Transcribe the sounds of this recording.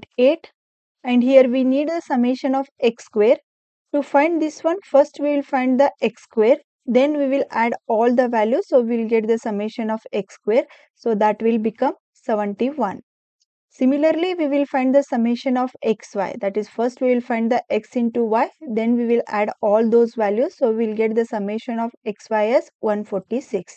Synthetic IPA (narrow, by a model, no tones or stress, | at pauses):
eːʈ | ɛ̃ɳɖhiəɾʋiniːɖd̪əsɐmeːʃə̃nɔːʋekskʋeːɾ | ʈufãɪ̃ɳɖd̪ɪsʋʌ̃nfʌɾsʈʋiːʋɪlfãɪ̃ɳɖd̪əʔekskʋeːɾ | d̪ẽnʋiːʋɪlæɖɔːld̪əʋæljusoːʋiɪlɡeʈ̚d̪əsɐmeʃə̃nɔːfekskweːɾ | soːd̪æʈʋɪlbikʌ̃m | seʋə̃ɳʈiʋʌ̃n | sĩmiləɾliʋiːʋɪlfãɪ̃ɳɖd̪əsɐmeʃə̃nɔːfeksʋa̰ɪd̪æʈiz̥fʌɾsʈʋiːʋɪlfãɪ̃ɳɖd̪əʔeksɪ̃nʈuʋaɪd̪ẽnʋiʋɪlæɖɔːld̪oːzʋæljuzsoːiʋɪlɡeʈ̚d̪əsɐmeːʃə̃nɔːfeksʋaɪɛsʋʌ̃nfɔːɾʈisiks